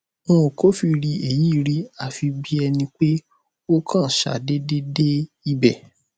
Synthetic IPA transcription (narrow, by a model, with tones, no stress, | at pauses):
ɔ̃˦o˨ko˦fi˧ɾi˧e˨ji˨˦˧ɾi˦a˨fi˧bi˦ɛ˧nĩ˧k͡pe˦ | o˦kʰã˦˨ʃa̰˨de˦de˦de˦ | i˧bɛ˨